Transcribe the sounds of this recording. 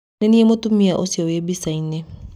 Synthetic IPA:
neniemotumiaʔosiɔjebisainɛ

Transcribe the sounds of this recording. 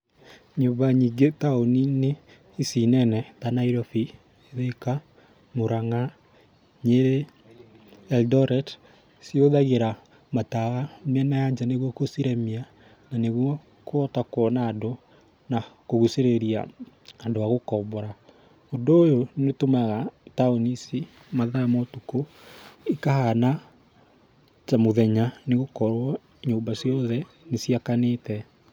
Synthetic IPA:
ɲoβaɲiɡetaonine | isinɛnɛtanaiɾɔfi | eðeka | moɾaŋa | ɲeɾe | ɛldɔɾɛd | sioðaɣeɾa | matawamɛnajaɲd͡ʒaneɣwɔkosiɾemia | naneɣwɔ | kwɔtakwɔnaːndo | nakoɣuseɾeɾia̰ | adoaɣokɔbɔɾa | ondoːjonetomaɣataonisi | maðamɔtuko | ikahana | t͡ʃamoðɛɲaneɣokɔɾwɔ | ɲoːmbasjɔðɛ | nesiakanetɛ

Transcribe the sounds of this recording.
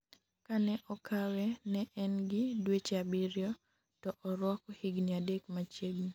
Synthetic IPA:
kanɛʔɔkawɛnɛʔɛnɡɪdwet͡ʃabɪɾjɔ | tɔʔɔɾwɔkɔhɪɡniadekmat͡ʃebi

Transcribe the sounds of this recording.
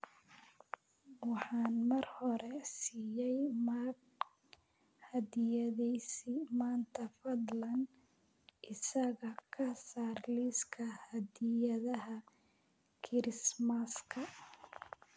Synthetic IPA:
wɑħɑːnmɐrhɔɾɛsiːjɛjma | hɐdɪjɐðɛsimaːnt̪ʰɐfɐd̪lɐn | ʔɪsɐɣɐkʰɐsaːrliskʰɐhɐd̪ɪjɐðɐɦɐ | kʰɪɾɪsmɐskʰɐ

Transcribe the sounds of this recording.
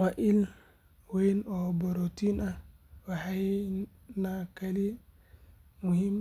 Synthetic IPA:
waʔil | wejnɔbɔɾotina | wahaj | nakali | muhim

